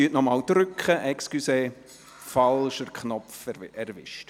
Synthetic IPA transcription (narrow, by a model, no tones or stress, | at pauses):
yətnɔmɑːldɾʏkχəʔɛkskyseː | fɑlʃəɾkχnɔpfɛɾʋɪ̰ʃt